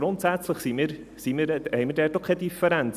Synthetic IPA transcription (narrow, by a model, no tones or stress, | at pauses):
ɾʊntsat͡sləχsiːmɾ | siːməɾejmədɛdɔχədifəɾɛn